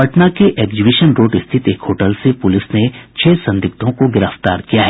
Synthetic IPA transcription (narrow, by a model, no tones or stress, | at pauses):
ɐʈnakeʔeːɡzɪbɪʃənɾoːɖɪst̪ʰɪt̪eːkɦoːʈəlsepʊlɪsnet͡ʃʰɛːsɐ̃nd̪ɪkt̪ʰõkoɡɪɾəft̪aːɾkijaɦɛ